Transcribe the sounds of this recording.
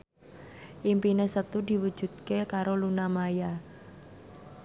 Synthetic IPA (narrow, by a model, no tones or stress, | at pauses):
ʔimpinesət̪ud̪i̤wud̥ʒ̥ṳd̪̚kekaɾolunamaja